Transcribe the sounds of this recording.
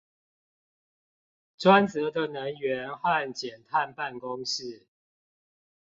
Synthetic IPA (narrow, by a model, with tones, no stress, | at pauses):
ʈ͡ʂwa˦nt͡sɤ˨˦d̪ə˨nə˨˦ŋɥɛ˨˦nxa˥˨nt͡ɕjɛ˨˩nt̪ʰa˥˧˨npa˥˨nkʊ˦ŋʂɻ̩˥˨